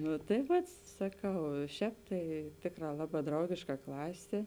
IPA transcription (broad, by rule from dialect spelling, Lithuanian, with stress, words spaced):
ˈnʊ tɐɪ ˈʋɐt sɐˈkɐʊ ɪ ˈʃʲɛːp tɐɪ ˈtʲeːkˌrɑː ˈlˠɑːˌbɑː ˈdrɐʊɡʲeːʃkɐ ˈklˠɑːsʲeː